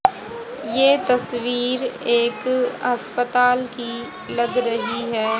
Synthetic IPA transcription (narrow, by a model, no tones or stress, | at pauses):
jeːt̪ɐswiːɾeːkɐspət̪aːlki | lɐɡɾɐɦiɦɛː